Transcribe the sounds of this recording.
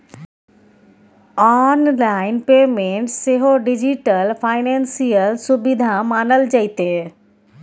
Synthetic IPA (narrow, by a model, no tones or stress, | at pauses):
ɔnlaɪnpeːmẽɳʈseɦoɖɪd͡ʑiʈəlpʰaːɪnẽːnsijəlsʊbɪd̪ʱamaːnəld͡ʒəit̪eː